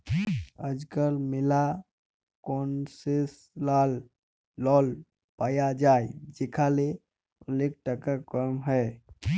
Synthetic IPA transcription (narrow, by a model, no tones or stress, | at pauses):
əd͡ʒkəɾmɪla | kɔːnsɪs | laːlː | ɔːl | paːjad͡ʒaːed͡ʒekʰale | ʊlek̚ʈəkakəmɦɛː